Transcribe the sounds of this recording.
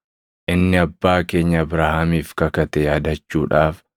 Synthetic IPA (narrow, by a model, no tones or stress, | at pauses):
ʔɪnːɪɐbːaːke̞ːɲːɐːbɾaːhɐmiːfkɐkɐt̪ɛjaːd̪ɐt͡ʃːuːᶑaːf